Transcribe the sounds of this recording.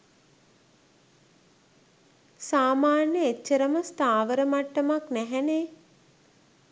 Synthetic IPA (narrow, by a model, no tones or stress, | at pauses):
saːmaːnjəet͡ʃːəɾəməst̪aːʋəɾəmaʈːəmaknæɦɛneː